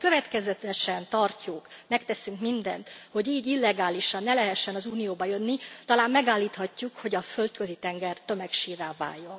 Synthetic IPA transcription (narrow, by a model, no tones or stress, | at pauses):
kø̞vɛt̪kɛzɛt̪ɛʃɛnt̪ɒrcukmɛkt̪ɛsyŋkmind̪ɛ̰nt̪ho̞ɟiːɟilːɛɡaːliʃɒnːɛlɛɦɛʃːɛnɒzuːnijoːbɒjø̞nːit̪ɒlaːmːɛɡaːlːiːt̪hɒcːukho̞ɟɒfø̞lt̪kø̞zit̪ɛŋɡɛrt̪ø̞mɛkʃiːvɛːlva̰ːjjːo̞n